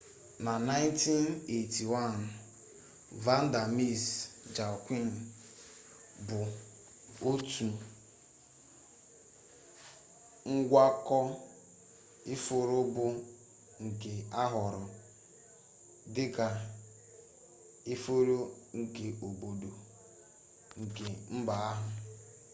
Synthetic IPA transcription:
na˨na˦ɪ˦nti˦ne˨ti˨wa˦n | va˦n̩˦da˨mi˦sd͡ʒa˨kʷi˦n˨ | bʊ˨ | o˦tu˨ | ŋ̩˦ɡʷa˦kɔ˦ | i˦fo˨ɾʊ˦bʊ˦ | ŋ̩˨ke˨a˦ɦʊ˨ɾʊ˨ | dɪ˦ka˨ | i˦fo˦ɾo˦ŋ̩˨ke˨o˨bo˨do˨ | ŋ̩˨ke˨m̩˦ba˨a˦ɦʊ˨

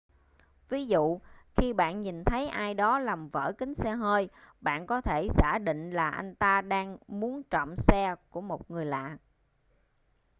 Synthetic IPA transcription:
vi˨˦zṵ˧˨xi˧ɓa̰ː˧˨nɲi˨˩nt̪ʰə˨˦jʔaː˧jɗɔ˨˦la˨˩mvə̰ː˧˩kï˨˦ŋ̟sɛ˧ɦəː˧jɓa̰ː˧˨nkɔ˨˦t̪ʰe˧˩zaː˧˩ɗḭ̈˧˨ŋ̟laː˨˩ʔa˧jŋ̟t̪aː˧ɗaː˧ŋmu˨˦ənt͡ɕɔ̰˧˨msɛ˧ku˧˩əmo˨˩t̚ŋɨ˨˩əjla̰ː˧˨

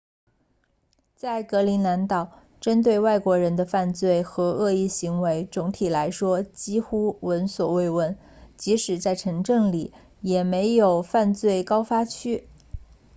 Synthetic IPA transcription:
t͡sa˥˩ɪkɤ˧˥li˧˥nna˧˥nt̪ɑ˨˩ʊ | ʈ͡ʂə˥nt̪̬we˥˧ɪwa˥˩ɪkwɔ˧˥ɻə˧˥nd̪ə˧fa˥˧nt͡swe˥˩ɪxɤ˧˥ɤ˥˧i˥˩ɕi˧˥ŋwe˧˥ɪt͡sʊ˧˥ŋt̪ʰi˨˩la˧˥ɪʂwɔ˥t͡ɕi˥xu˥wə˧˥nswɔ˨˩we˥˩ɪwə˥˩n | t͡ɕi˧˥ʂɻ̩˨˩t͡sa˥˩ɪʈ͡ʂʰɤ˧˥ŋʈ͡ʂɤ˥˩ŋli˨˩˦ | jɛ˨˩me˧˥ɪjo˨˩ʊfa˥˧nt͡swe˥˩ɪkɑ˥ʊfa˥t͡ɕʰy˥

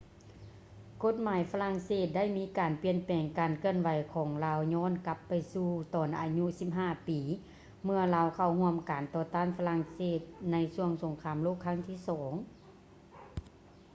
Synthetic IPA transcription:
ko˧˥t̪̚maː˨˦jfa˧la˧˥ŋseː˧˥˩t̪̚da˥˨jmiː˧˥kaː˨˩npi˧˩ənpɛː˨˩ŋkaː˨nkʰɯ˧˩ənwa˨˦jkʰɔː˨˦ŋlaː˧wɲɔː˧˥˨nka˧˥pːa˨jsuː˧˩t̪ɔː˨˩nʔaː˨ɲu˧˥si˧˥p̚ɦaː˧˥˩piː˨˦ | mɯ˧ɐlaː˧˥wkʰa˧˩whu˧əmka˨˩nt̪ɔː˧t̪aː˧˥˨nfa˧la˧˥ŋseː˧˩t̪̚na˧˥jsu˧˩əŋso˨˦ŋkʰaː˧˥˨mloː˥˩˨kʰːa˧˥˨ŋt̪ʰiː˧˥˩sɔː˩˦ŋ

